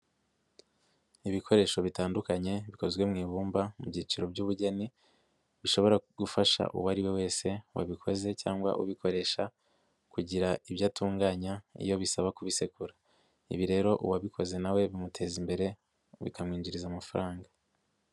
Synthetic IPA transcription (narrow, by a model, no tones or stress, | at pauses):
iβikʰo̞ɾe̞ːʃo̞βitaːndukaɲe̞βiko̞zɡwe̞mŋiːβuːmbamubɟiːt͡ʃiɾo̞bɟuːβuɟe̞ni | βiʃo̞βo̞ɾaɡ̥ufaʃa̰ʔṵwaɾiwe̞we̞ːse̞wa̰βikʰo̞ze̞caːŋɡwa̰ʔṵβikʰo̞ɾe̞ʃa | kuɟiɾaiβjaːtuːŋɡaːɲaḭjo̞βisaβakuβise̞kuɾa | ḭβiɾe̞ːɾo̞ʔṵwaβikʰo̞ze̞nawe̞βimutʰe̞ːzimbe̞ɾe̞ | βḭkʰamŋiːɲɟiɾizamafaɾaːŋɡa